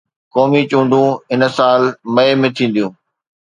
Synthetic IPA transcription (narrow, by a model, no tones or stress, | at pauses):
kɔːmit͡ɕũːɳɖʱũɪnə̆saːlmɐemẽːt̪ʰĩːn̆d̪ijũː